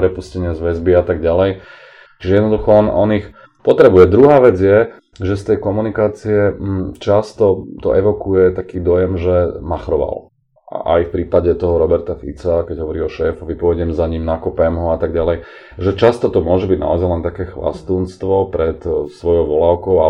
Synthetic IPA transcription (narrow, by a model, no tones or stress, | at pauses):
pɾɛpuscɛɲɪazʋɛzbiat̪aɡɟalɛj | t͡ʃiʒɛjɛd̪nɔd̪uxɔɔnɔ̰nix | pɔt̪ɾɛbujɛd̪ɾuɦaːʋɛd͡zjɛ | ʒɛst̪ɛjkɔmunikaːt͡siɛt͡ʃast̪ɔt̪ɔ̰ʔɛʋɔkujɛt̪akiːd̪ɔjɛmʒɛmaxɾɔʋa̰l | a̰ʔa̰jfpɾiːpaɟɛt̪ɔɦɔɾɔbɛɾt̪afḭt͡sakɛɟɦɔʋɔɾiɔʃɛːfɔʋipɔʋɛɟɪɛmzaɲimnakɔpɛmɦɔat̪aɡɟalɛj | ʒɛt͡ʃast̪ɔt̪ɔmʊɔʒɛbiɟna̰ɔzajlɛnt̪akɛːxʋa̰st̪uːnst̪ʋɔpɾɛt̪sʋɔjɔʊʋɔlaʊkɔʊa